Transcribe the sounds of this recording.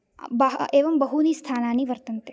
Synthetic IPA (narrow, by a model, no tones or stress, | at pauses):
bɐeːʋəmbəɦunist̪ʰaːnaniʋəɾt̪ənt̪e